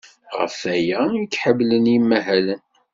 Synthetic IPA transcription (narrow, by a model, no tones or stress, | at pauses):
ʁə̰fæjæikːħəblənjimːæɦælən